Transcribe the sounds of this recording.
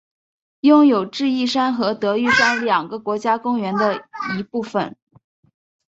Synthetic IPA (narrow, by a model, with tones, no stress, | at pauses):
jʊ˥˩ŋjo˨˩ʊʈ͡ʂɻ̩˥˧i˥˩ʂa˥nxɤ˧˥t̪ɤ˧˥y˥˧ʈ͡ʂɑ˥˩ljɑ˨˩ŋɡə˦kwɔ˧˥t͡ɕja˥kʊ˥ŋɥɛ˧˥nd̪ə˧i˧˥pu˥˩fə̰˨˩n